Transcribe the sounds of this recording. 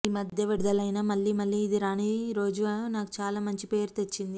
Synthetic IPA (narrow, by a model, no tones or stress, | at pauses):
imɐd̪ʱjɐʋiɽd̪ɐlɐjnamɐɭːiːmɐɭːiːd̪iɾaːniːɾo̞ːd͡ʒunaːku̥t͡ʃaːlaːmɐɲt͡ʃipe̞ːɾut̪e̞t͡ʃːind̪i